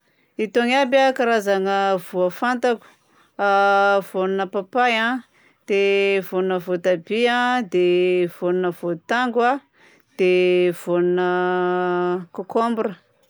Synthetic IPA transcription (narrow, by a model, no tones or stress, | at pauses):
it̪oŋabʲakaɾazaŋəvuafant̪aku̥ | av̥onunəpapajã | d̪̥evonunəvot̪abiad̪ev̥onunəvot̪aŋɡwa | d̪̥ev̥onunə | kokombuɾə